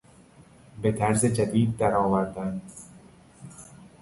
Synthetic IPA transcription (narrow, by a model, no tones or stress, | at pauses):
bet̪ʰæɾzed͡ʒad̪iːd̪̚ːaɾɒːvaɾd̪an